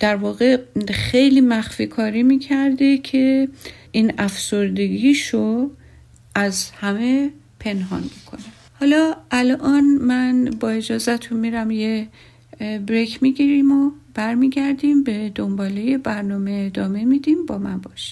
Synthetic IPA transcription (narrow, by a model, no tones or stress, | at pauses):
d̪̥æɾvɒːɣe̞xejliːmæxfiːkʰɒːɾiːmiːcʰæɾd̪ekʰe̞ | iːnæfsoɾd̪e̞ɡiːʃo | ʔæzhæme̞ | pʰe̞nɦɒ̰nmikʰo̞næmhɒːlɒːʔælʔɒːnmænbɒːe̞d͡ʒɒːzæt̪ʰunmiːɾæmje | bɾekʰmiɡiːɾiːmob̥æɾmiːɡæɾd̪iːmbe̞d̪ombɒːleje̞bæɾnɒːme̞ːd̪ɒːme̞miːd̪iːmbɒːmænbɒːʃi̥m